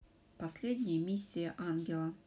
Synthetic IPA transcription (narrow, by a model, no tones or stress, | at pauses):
pɐsʲlʲedʲnʲɪjəmʲisʲːɪjəʔanɡʲɪlˠə